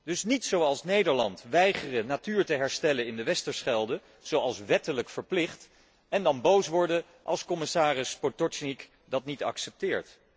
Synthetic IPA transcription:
d̥ɵsnitsowɑlˠsnejdəɹlɑntʋɛjχərənatyːɹtəɦɛɹstɛlənɪndəʋɛstəɹsχɛlˠdə | z̥owɑlˠsʋɛtələkfəɹplɪχt | ɛndɑnbowsʋɔɹdə | ʔɑ̰lˠskɔmɪsaːrɪspotɔnik | dɑtnitɑ̰ksɛp̚tɪːɹt

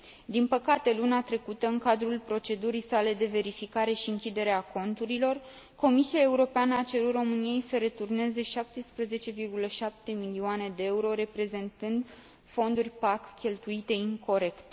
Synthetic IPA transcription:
d̪inpəkat̪e̞luneat̪ɾe̞kut̪əɨŋkad̪ɾulpɾo̞t͡ʃe̞d̪uɾijsale̞d̪e̞ve̞ɾifikaɾe̞ʃiɨŋkʲid̪e̞ɾeako̞nt̪uɾilo̞r | ko̞misiae̞uɾo̞peanəat͡ʃe̞ɾut̪ro̞mɨnije̞jsəɾe̞t̪urne̞ze̞ʃap̚t̪espɾəze̞t͡ʃe̞virɡuləʃap̚t̪e̞milioane̞d̪e̞euɾo̞ɾe̞pɾe̞ze̞nt̪ɨnd̪ | fo̞nd̪urʲpakkʲːe̞lt̪uit̪e̞iŋko̞ɾe̞kt̪

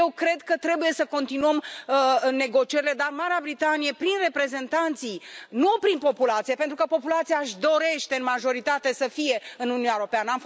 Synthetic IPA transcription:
jewkɾe̞d̪kət̪ɾe̞buje̞səko̞nt̪inuəm | ne̞ɡo̞t͡ʃie̞ɾile̞d̪armaɾeabɾit̪anije̞pɾinre̞pɾe̞ze̞nt̪ant̪sijnupɾinpo̞pulat̪sije̞pe̞nt̪ɾukəpo̞pulat̪sijaʃd̪o̞ɾe̞ʃt̪e̞ɨnmaʒo̞ɾit̪at̪e̞səfije̞ɨnuniunjaeɾo̞peanəamf

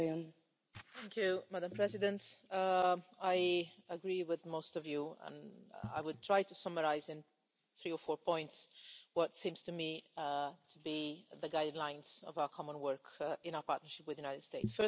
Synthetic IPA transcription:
ə̃n | θæ̃ŋkʰjʉmædə̃mpʰɹ̥ɛzɪdə̃nt | aɪəɡɹiwɪðmoʊstʌvjuə̰̃na̰ɪwɨd̚tʰɹ̥aɪtɨsʌməɹaɪzɨ̃n | θɹiə˞fɔːɹpʰɔ̃ɪ̃ntswʌtsĩmz̥tʰɨmi | tʰəbiðəɡaɪdˡlãɪ̃nz̥ʌ̰vaʊə˞kʰɑmə̃nwɜ˞kɪ̃naʊə˞pʰɑɹtnə˞ʃɪpwɨðjʉnaɪɾɨd̥steɪtsfə

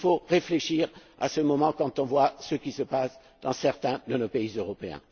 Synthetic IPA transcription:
foʁefleʃiʁa̰səmɔmɑ̃kɑ̃t̪ɔ̃vwasəkʲisəpas | d̪̥ɑ̃sɛʁt̪ɛ̃d̪ənopeizøʁɔpeɛ̰̃

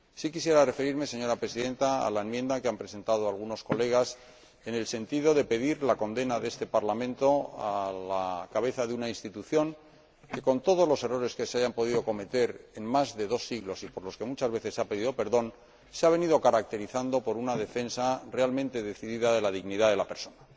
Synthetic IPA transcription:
sikisje̞ɾare̞fe̞ɾiɾme̞se̞ɲo̞ɾapɾe̞siðe̞nt̪aa̰laemjend̪akeampɾe̞se̞nt̪aðo̞alɣ̞uno̞sko̞le̞ɣ̞as | e̞ne̞lse̞nt̪iðo̞ðe̞pe̞ðiɾlako̞nd̪e̞naðee̞st̪e̞paɾlamẽ̞nt̪oalakaβ̞e̞θaðeunainst̪it̪uθjo̞ŋ | ke̞ko̞nt̪o̞ð̞o̞zlo̞se̞ro̞ɾe̞ske̞seaʝampo̞ðiðo̞ko̞me̞t̪e̞ɾe̞nmazðe̞ðo̞sːiɣlo̞sipo̞ɾlo̞skemut͡ʃazβe̞θe̞sape̞ðiðo̞pe̞ɾðo̞n | seaβ̞e̞niðo̞kaɾak̚t̪e̞ɾiθand̪o̞po̞ɾunaðe̞fe̞nsare̞almẽ̞nt̪e̞ðe̞θiðiðaðe̞laðiɣniðaðe̞lape̞ɾso̞na

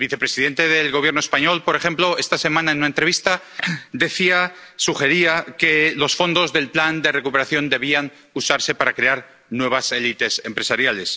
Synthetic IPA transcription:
elβiθe̞pɾesiðe̞nt̪e̞ðe̞lɣo̞β̞je̞ɾno̞espaɲo̞lpo̞ɾe̞xe̞mplo̞e̞st̪ase̞mãnaenunaent̪ɾe̞βist̪ad̪e̞θia | suxe̞ɾiake̞lo̞sfo̞nd̪o̞zðe̞lpland̪e̞re̞kupe̞ɾaθjo̞nd̪e̞β̞iaŋ | usaɾse̞paɾakɾe̞aɾ | nwe̞β̞ase̞lit̪e̞se̞mpɾe̞saɾjale̞s

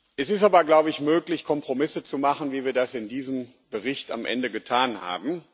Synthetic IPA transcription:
ʔɛsɪstaːbɐɡlaʊbəɪçmøːklɪçkʰɔmpʁ̥omɪsət͡sumaχn̩viːviːɐdasɪndiːzəm | bəʁɪçta̰mʔɛ̰ndəɡətʰaːnha̰ːbm̩

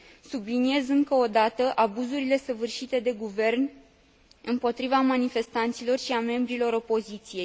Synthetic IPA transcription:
sublinie̞zɨŋkəod̪at̪əʔabuzuɾile̞səvɨrʃit̪e̞d̪e̞ɡuve̞rn | ɨmpo̞t̪ɾivamanife̞st̪ant̪silo̞rʃiame̞mbɾilo̞ɾo̞po̞zit̪sije̞j

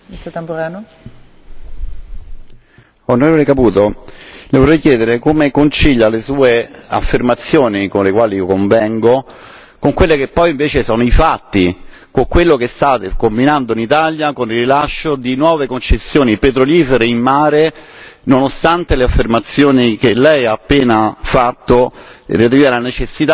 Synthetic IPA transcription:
it̪ot̪empoɾaːno | onoɾevolekapuːt̪olevorɛjkjɛːd̪eɾekomekont͡ʃiʎːalesuːea̰fːermat̪sːjoːnikonlekwaːliikoɱvɛŋɡo | koŋkwelːekepːɔjiɱveːt͡ʃesoːnoifat̪ːi | koŋkwelːokest̪aːt̪ekombinand̪oinit̪aljakonirːilaʃːod̪inwɔːvekont͡ʃesːjoːnipet̪ɾoliːfeɾeimmaːɾe | nonost̪ant̪eleafːermat̪sːjoːnikelːɛjaːpːeːnafat̪ːo̰riat̪ialanet͡ʃesːit̪a

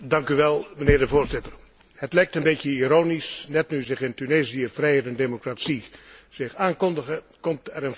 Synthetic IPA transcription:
dɑŋkyʋɛlˠmənɪːrdəvoːrzɪtər | hətlɛjk̚tənbetjəiɾoːnisnɛtnyzɪχɪntyneːzijəfrɛjɛtɛndemokratsiz̥ɪxaːnkɔndəɣə | kɔmtɛɾən

